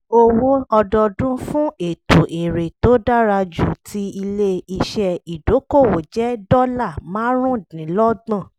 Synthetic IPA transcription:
o˧wo˦ɔ˧dɔ˧dũ˦fũ˦e˦˨to˨ʔe˨ɾe˨to˨˦da˦ɾa˧d͡ʒu˦˨tʰi˧i˧le˦i˧ʃɛ˧i˨do˨˦ko˦˨wo˨d͡ʒɛ˨˦dɔ˦la˦˨mã˨˦ɾ̃ũ˦˨dĩ˨˦lɔ˦ɡ͡bã˦˨

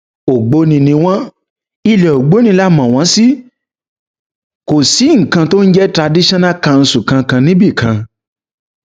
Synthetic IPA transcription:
o˨ɡ͡bo˧˦nĩ˧nĩ˧w̃ã˦ | i˧lɛ˨o˨ɡ͡bo˨˦nĩ˧˦la˦mã˨w̃ã˨˦si˦ | ko˨si˨˦ŋ̩˨kã˧to˦n̩˦d͡ʒɛ˦tɾa˧di˦ʃã˦nã˦ka˧n̩˧sũ˨kã˧kã˧nĩ˦bi˦˨kʰã˧

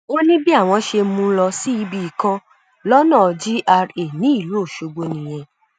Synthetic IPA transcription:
o˦nĩ˦bi˦a˦˨w̃ɔ̃˧ʃe˧mũ˧˦lɔ˧si˦i˦bi˧i˨kã˧ | lɔ˦nã˦˨˧d͡ʒi˦ʔa˧ɾe˨nĩ˦i˦˨lo˦˨ʃo˧ɡ͡bo˧nĩ˨j̃ɛ̃˧

